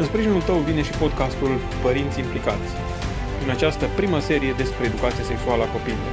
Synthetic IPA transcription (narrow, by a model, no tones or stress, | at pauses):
ɨnspɾiʒinult̪əwvine̞ʃipo̞d̪kast̪ul | pəɾint̪sʲiimplikat̪sʲ | pɾinat͡ʃast̪əpɾiməse̞ɾije̞d̪e̞spɾe̞ːd̪ukat̪sijase̞ksualəako̞pililo̞r